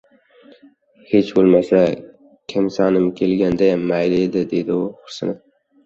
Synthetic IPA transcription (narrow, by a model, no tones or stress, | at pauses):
het͡ʃbolˠmasa | kʲʰɪmsɑːnɪmkʲʰelɡʲand̪ajamːajlɪed̪ɪd̪ejd̪ɪʊχʊɾsɪnɪf